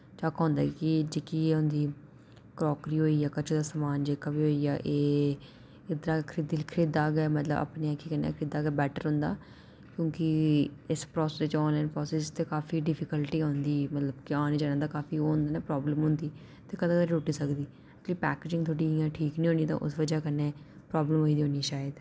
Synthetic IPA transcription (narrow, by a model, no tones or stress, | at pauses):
t͡ʃaːkaɦʊ̃ːnd̪a̰ːkɪd͡ʒeːkieːɦʊ̃nd̪iː | kɾɔːkɾiːɦoːiːjaːkət͡ʃʰod̪aːsəmaːnd͡ʒeːkabiːɦoːiːjaːʔeː | ɪd̪ɾaːkʰɾɪd̪ilkʰəɾiːd̪aːɡɛːmət̪ləba̰pneːakikənːa̰ːkʰəɾiːd̪aːɡɛːbɛːʈə̰ɾɦʊ̃ːnd̪a̰ː | kjõːkɪɪspɾɔːsːst͡ʃɔ̃ːnlaːɪnpɾɔːseːst̪eːkaːfiːɖɪpʰɪkəlʈiːɦõːnd̪iːmət̪ləbkɪaːniːd͡ʒaːɽãːd̪aːkaːfiːɦõːnd̪aːnaːpɾɔːbləmɦʊ̃nd̪iː | t̪eːkəd̪aːk̪ad͡ʒuːʈiːsəkd̪iː | əliːpɛːkeːd͡ʒɪ̃ŋɡt̪ʰoːɽiːijãːʈʰiːknĩːɦõːniːt̪ã̰ːʔʊ̰sʋəd͡ʒaːkənːeː | pɾɔːbləmɦoːiːd̪iɦõːniːʃaːjəd̪